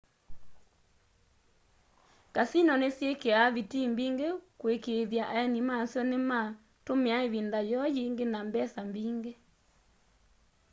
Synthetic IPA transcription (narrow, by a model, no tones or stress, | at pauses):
kasinɔnesjekeaβitimbiŋɡekwekeðjaʔaɛnimasjɔnema | tomɛaeβindajɔjiŋɡenambɛsambiːŋɡe